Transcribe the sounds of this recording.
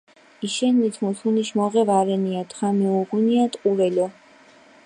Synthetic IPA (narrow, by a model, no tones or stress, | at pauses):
iʃɛnːit̪ʰmusuniʃmɔʁɛvaɾɛniat̪ʰχamiuɡuniat̪ʼqʼuɾɛlɔ